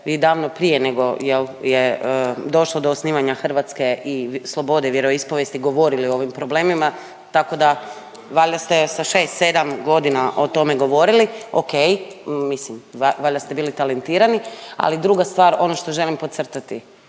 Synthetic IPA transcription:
ʋiːd̪aːʋnopɾijeneɡo̞jeljeəd̪o̞ʃlˠod̪o̞ːsniːʋaɲaxr̩ʋat̪ske̞islˠo̞bo̞d̪eʋjeɾo̞ispoʋjest̪iɡo̞ʋo̞ɾiliooʋimpɾoble̞ːmima | t̪ako̞d̪a | ʋaʎast̪e̞saʃe̞ːst̪se̞d̪amɡo̞d̪inaʔo̞t̪o̞me̞ɡo̞ʋo̞ɾilio̰ke̞jmislimʋaʎʲast̪e̞biːlit̪alent̪iːɾania̰lid̪ɾuɡast̪ʋaːɾo̞no̞ʃt̪o̞ʒe̞limpot̪sr̩t̪at̪i

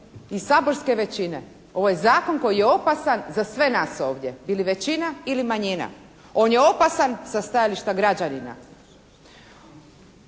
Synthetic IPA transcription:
isaːbo̞ɾske̞ʋe̞t͡ɕine̞ | o̞ʋojezaːko̞nko̞jijeo̞pasanzasʋe̞naso̞ːʋd̪je̞biliʋe̞t͡ɕinailimaɲina̰ | o̞ːnjeo̞pasansast̪ajaliʃt̪aɡɾad͡ʑanina̰

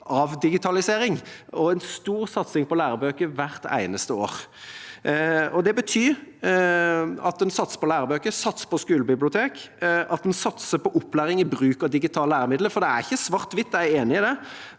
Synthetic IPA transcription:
ʔɑʋd̪ɪɡɪt̪ʰɑlɪseːɾɪŋɔɛnst̪uːɾsɑt̪sɪŋpɔlæːɾəbøːkəʋæʁt̪æ̰ɪnəst̪əo̰ːʁ | ɔd̪ɛbət̪ʰyːɾ | ɑ̰t̪̚d̪ɛnsɑt̪sə̥pɔlæːɾəbøːkəsɑt̪sə̥pɔskʉːləbɪblɪʊt̪ʰeːkɑt̪̚d̪ɛnsɑt̪səpʰɔʔʊpːlæːɾɪŋɪbʁʉːkɑʋd̪ɪɡɪt̪ʰɑːləæːɾəmɪd̪ləfɔʁd̪ɛæɾɪçːəsʋɑʁt̪ʋɪt̪ːæɪeːnɪɪd̪ɛ

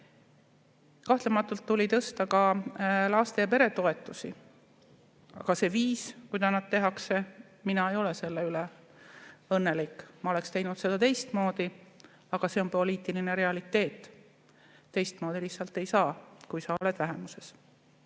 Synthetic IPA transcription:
kɑht̪lemɑt̪ːˑult̪ːulʲit̪ɤ̞st̪ɑkɑlɑːst̪e̞ɑpe̞ɾe̞t̪o̞e̞t̪ːˑusḭ | ɑ̰ɡ̥ɑse̞viːskujd̪ɑnɑd̪̥̚t̪e̞ɦɑkse̞ | minɑe̞jo̞le̞se̞lːeyle | ɤnːe̞likːˑmɑo̞le̞kst̪e̞jnud̪se̞d̪̥ɑt̪e̞jst̪mo̞ːd̪̥i | ɑɡ̥ɑse̞o̞npo̞liːt̪ˑiline̞ɾe̞ɑlit̪ːe̞ːt̪ˑː | e̞jst̪mo̞ːd̪̥ilihsɑlt̪ːe̞jsɑːkujsɑo̞le̞d̪̥væɦe̞muse̞s

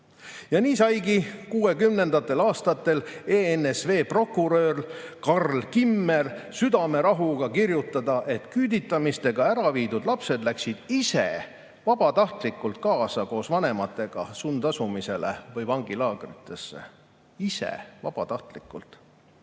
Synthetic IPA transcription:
jɑniːsɑjɡikuːe̞kymne̞nd̪̥ɑt̪ːˑe̞lɑːst̪ɑt̪ːˑe̞leenesve̞ːpro̞kːuɾø̞ːrkɑrlkimːe̞lsyd̪ɑme̞ɾɑɦuɡ̥ɑkirjut̪ːˑɑd̪ɑʔe̞t̪kyːd̪it̪ːˑɑmist̪e̞ɡ̥ɑæɾɑviːd̪ud̪̥lɑpse̞d̪læksid̪̥isḛ | vɑb̥ɑt̪ɑht̪likːˑult̪̚kɑːsɑko̞ːsvɑne̞mɑt̪ːˑe̞ɡ̥ɑ̰sund̪̥ɑsumise̞lḛvɤjvɑŋɡilɑːɡ̥rit̪ːˑe̞sːḛ | isḛvɑb̥ɑ̰t̪ɑht̪likːˑult̪ˑ

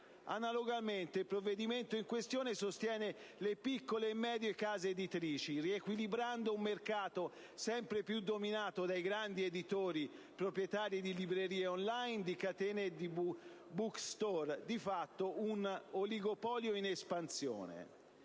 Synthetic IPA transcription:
a̰naloɡalment̪eilpɾovːed̪iment̪oiŋkwest̪joːnesost̪jɛːnelepikːoleːmːɛːd̪jekaːzeːd̪it̪ɾiːt͡ʃiriekwilibɾand̪oumːerkaːt̪o | sɛmpɾepjud̪ːominaːt̪od̪ajɡɾand̪ied̪it̪oːɾipɾopɾjet̪aːɾid̪ilibɾeɾiːeonlajnd̪ikat̪ɛːned̪i | bukst̪ɔrd̪ifat̪ːounoliɡopɔːljoinespansjo̰ːnḛ

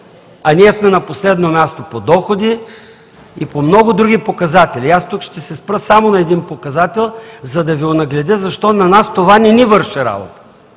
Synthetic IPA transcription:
ɐniɛsmɛnɐposlɛd̪nomʲjast̪opod̪ɔxod̪i | ipomnɔɡʊd̪ɾuɡʲipokɐzat̪ɛlʲiast̪ukʃt̪ɛsɛspɾəsamonɐɛd̪inpokɐzat̪ɛlˠzɐd̪ɐvionɐɡlʲɛd̪əzɐʃt̪ɔnɐnast̪ovanɛnivɤɾʃɛɾa̰bo̰t̪ə̥

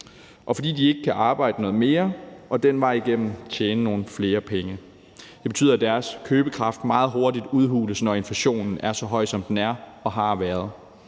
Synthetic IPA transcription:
ʔɒ̽fɒ̽d̥ḭːd̥ie̝ɡ̥əkʰæʔɑ̈ːb̥ɑ̈ɪ̰d̥ənɔ̽ːð̩ˠme̝ːɐʔɒ̽d̥enʋɑ̈ɪiɡ̥em̰m̩t͡ɕʰeːnəno̝ːn̩fle̝ːɐpʰeŋə | d̥e̝be̝t͡sʰy̰ːðˠæd̥æɐskʰøːb̥əkʰʁɑ̈fd̥mɑ̈ːð̞̩ˠɦo̝ɐdid̥uð̞ˠɦuːləsnɒe̝nfæɕo̝̰ːnn̩æɐsɒ̽ɦɒ̽ɪ̰sɒ̽md̥enæɐɒ̽ɦɑ̈ʋæɐð̞̩ˠ

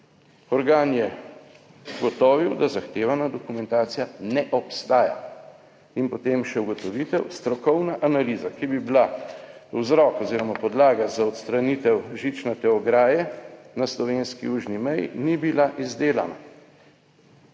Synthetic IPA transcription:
ɔɾɡaːnjɛ | ɡɔt̪ɔːʋiwd̪azaxt̪eːʋanad̪ɔkumɛ̃nt̪aːt̪sijanɛʔɔpst̪aːja̰ | inpɔt̪emʃɛuɡɔt̪ɔʋit̪ɛwst̪ɾɔkɔwnaʔanaliːzakibibila | wzɾɔkɔziːɾɔmapɔd̪laːɡazaɔt̪st̪ɾanit̪ɛwʒit͡ʃnɛt̪ɛɔɡɾaːjɛnaslɔʋenskḭuːʒnimɛj̰nibilaʔizd̪eːlana̰

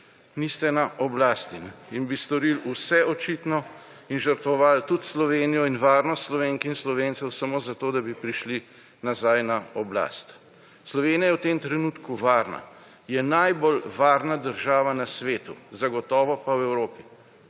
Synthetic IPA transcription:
nist̪ɛnaʔɔblaːst̪ininbist̪ɔɾilusɛʔɔt͡ʃit̪nɔ | inʒəɾt̪ʋɔʋaːlt̪ut̪slɔʋeːnijɔinʋaːɾnɔst̪slɔʋeːŋkinslɔʋent̪sɛwsamoːzat̪oːd̪abipɾiʃli | nazajnaɔbla̰ːst̪ | slɔʋeːnijajɛwt̪emt̪ɾɛnuːt̪kuʋaːɾna̰ | jɛnajbolʋaːɾnad̪əɾʒaːʋanasʋeːt̪ṵzaɡɔt̪ɔːʋɔpawɛwɾoːpi

